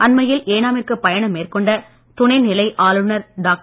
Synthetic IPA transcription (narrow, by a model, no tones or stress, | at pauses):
ʔɐnmɐjɪlʔeːnaːmɪrkɯpːɐjɐɳɐmːeːrkɔɳɖɐ | t̪ʊɳɐɪnɪlɐɪʔaːlɯnɐɾɖaːk̚